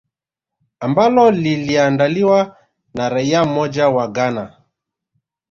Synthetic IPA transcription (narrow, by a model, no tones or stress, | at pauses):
ambalɔliliandaliwa | naɾaiam̩mɔd͡ʒawaɡana